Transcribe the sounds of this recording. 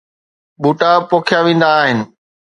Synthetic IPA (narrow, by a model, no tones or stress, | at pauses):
ɓuːʈapoːkʰjaʋẽːn̆d̪aːɦɪnɪ̆